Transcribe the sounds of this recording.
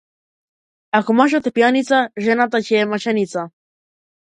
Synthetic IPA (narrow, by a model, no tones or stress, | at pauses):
akumaʃ̬at̪epjanit͡saʒenat̪̬at͡ʃemaʃanit͡sa